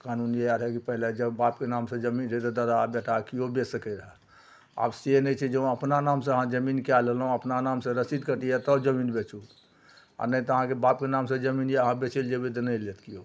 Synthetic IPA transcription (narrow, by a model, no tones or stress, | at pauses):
kanunjeaɾɦɛkipəɦiled͡ʒəbapkenamsẽd͡ʒəminɾet̪ɔd̪əd̪abeʈʰakiobesəkɛɾəɦɛ | a̰bsenəjt͡ʃʰɛd͡ʒeũəpnanamsẽəɦãd͡ʒəminkalelɦũəpnanamsẽɾəsid̪kəʈijɛt̪ɔd͡ʒəminbet͡ʃul | a̰nəit̪ɔəɦãkebap̚kenamsẽd͡ʒəminjeəɦãbet͡ʃild͡ʒebied̪ənəlet̪kio